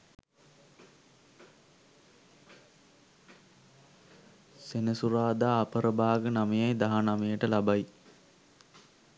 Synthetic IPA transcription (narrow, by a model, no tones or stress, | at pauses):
senəsuɾaːd̪aːpəɾəbaːɡənamejajd̪aɦanamejəʈəlabaji